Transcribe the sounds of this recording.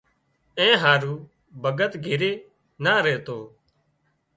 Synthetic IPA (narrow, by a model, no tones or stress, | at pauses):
ẽːɦaːɾuː | bʱəɡət̪ɡʱɪɾeː | naːɾeːt̪oː